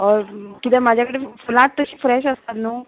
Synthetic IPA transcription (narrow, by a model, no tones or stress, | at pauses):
ɔɾkit̪ɛmad͡ʑʱjakəɽefulãʈ̚t̪əɕiːfɾɛɕəst̪at̪nuː